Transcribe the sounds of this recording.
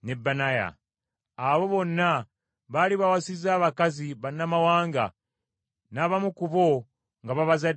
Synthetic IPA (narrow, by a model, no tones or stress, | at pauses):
nebːanaja̰ | aβo̞βo̞nːa | βaliβawasizaːβakaziβanːamawaːŋɡa̰ | naβamukuβo̞ | ŋɡaβaβaza